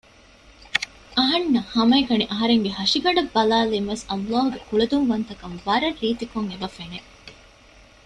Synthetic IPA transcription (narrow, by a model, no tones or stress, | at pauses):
ʔɐɦɐnːɐhɐmɐekɐniʔɐɦɐɾeŋɡehɐʂiɡɐɖɐbːɐlaːlimʋesɐmlaːɦuɡekuɭed̪umʋɐnt̪ɐkɐmʋɐɾɐrːiːt̪ikoŋebɐfene